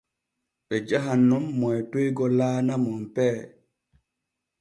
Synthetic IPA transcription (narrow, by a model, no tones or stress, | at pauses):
ɓɛd͡ʒaɦanːɔmːɔjtojɡɔlaːnamɔmpɛː